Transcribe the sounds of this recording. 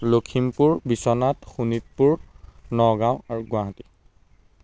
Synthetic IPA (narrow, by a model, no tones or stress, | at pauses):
lokʰimpuɹbisɔnatxunit̚puɹnɔɡãʊ̃aɹuɡʊ̃aɦati̥